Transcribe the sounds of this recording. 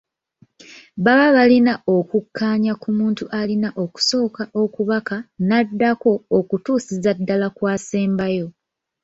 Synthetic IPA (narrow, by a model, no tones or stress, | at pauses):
βaβaβalinaokukːaːɲakumuːntuʔalinaʔo̞ku̥so̞ːkaʔo̞kuβakanadːako̞ːkutuːsizadːalakwaːseːmbajo̞